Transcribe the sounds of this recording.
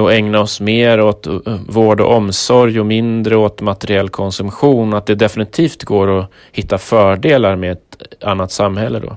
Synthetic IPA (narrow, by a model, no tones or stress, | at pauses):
ɔɛŋnaɔsmeːɾot̪voːɖɔ̰ʔɔmsɔɾjɔmɪnd̪ɾəot̪mat̪ɛɾɪɛlːkʰɔnsɵmɧuːnat̪̚d̪ɛd̪ɛfɪnɪt̪ʰiːft̪ɡoːɾɔ | hɪt̪ːafœːɖeːlaɾmeɛt̪anːat̪samːhɛlːəd̪ɔ̰